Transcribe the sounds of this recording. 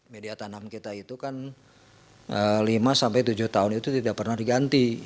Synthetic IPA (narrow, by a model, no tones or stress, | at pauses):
mediat̪anamkit̪ait̪ukan | əlimasampajt̪ud͡ʒuht̪aʊnit̪ut̪idaʔpərnahdiɡant̪i